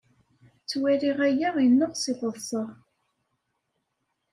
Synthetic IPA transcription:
t͡sːwæɾiʁæjæʁjənːoʁsiθəðˤsˤəʁ

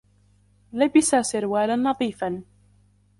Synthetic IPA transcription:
labɪsasɪɾwaːlanːɑðˤiːfan

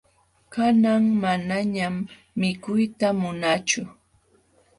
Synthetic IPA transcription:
kanaŋmanaɲamː | ɪkʊjt̪amʊnaːt͡ʃʊ

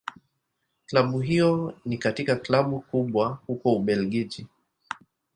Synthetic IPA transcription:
klaɓuɦijɔnikatikaklaɓukuɓwahukɔuɓɛlɡid͡ʒi

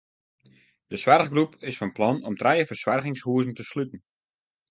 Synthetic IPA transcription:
d̥əswarɣɡrupɪsfɔnplɔnɔmtrɛjəfərswarɣɪŋshuəzn̩təslytn̩

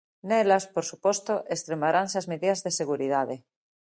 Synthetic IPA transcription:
nelaspoɾsupost̪oʔest̪ɾemaɾansazmeðiðazðeseɣ̞uɾið̞aðe

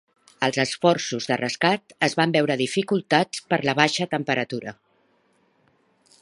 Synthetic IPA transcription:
əlˠzəsfɔrsuzðərəskat̪əzβambɛwɾəðifikulˠt̪at͡spəɾləβ̞aʃət̪əmpəɾət̪uɾə̰

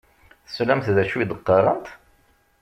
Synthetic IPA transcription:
θslæmθðæʃuid̪əqːɑɾˤənt̪

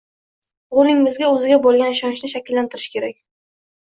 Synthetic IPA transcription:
ʊɾɪŋːɪzɡʲaɵzɪɡʲabolˠɡʲanɪʃɒnɪʃnɪʃ̬akʲɪlːant̪ʰɪɾɪʃkʲe̞ɾak̚ʲ

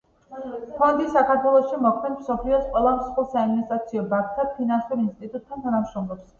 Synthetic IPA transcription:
pʰɔnd̪isakʰaɾt̪ʰwɛlˠɔʃimɔkʰmɛd̪ʰmsɔpʰliɔsqʼwɛlˠamsχulˠsaiminist̪ʼɾat̪sʰiɔbak̚ʰt̪ʰapʰinansuɾinst̪ʼit̪ʼut̪̚ʰːant̪ʰanamʃɾɔmlˠɔps

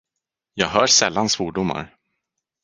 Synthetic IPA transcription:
jɑːɡɦœːʂɛlːansvuːɖʊmːa̰ɾ

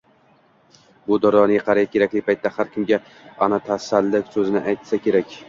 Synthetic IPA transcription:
bʊd̪ɒɾɒnɪqʰɑɾajkʰʲeɾakʲlɪpʰajt̪ːahaɾkʲɪmɡʲa | ɒnat̪ʰasalːɪkʲsɵzɪnɪʔajt̪sakʲʰe̞ɾakʲ

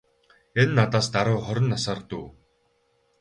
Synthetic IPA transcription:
enːat̪aːst̪aɾʊːχɔɾʲɪ̆nːasaːrt̪uː

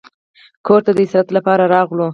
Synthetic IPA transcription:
kʰoɾt̪ad̪əɪsɾat̪lapɑɾaɾɑɣlo

